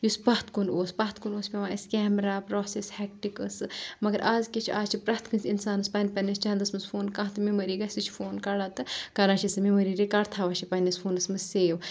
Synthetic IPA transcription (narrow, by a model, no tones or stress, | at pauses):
jusbɐɦt̪ʰkunoːsbɐːt̪kunoːsʲpʲɐʋaːiskʲɛːmɾaːpɾoːseshɛk̚ʈikɨsɨmɐɡɐɾʔaːzkit͡ʃʰiʔaːzt͡ʃʰipɾat̪kʰɨnʲsʲinsaːnɨspɐnpɐnist͡ʃɐɦnd̪ɐsmɨsfʰoːnkãːɦt̪ɨmemoɾiːɡɐsʲit͡ʃʰi̥foːnkɐlat̪ɨkɐɾaːt͡ʃʰisɨmimɐɾiːɾikaɾt̪ʰaːʋɐt͡ʃʰipɐnʲisfʰuːnɐsmɨsseːʋ